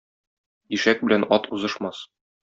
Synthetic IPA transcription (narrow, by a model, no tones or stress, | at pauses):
iʃæk̚bɘ̆lænɒt̪uzɤ̆ʃmɑs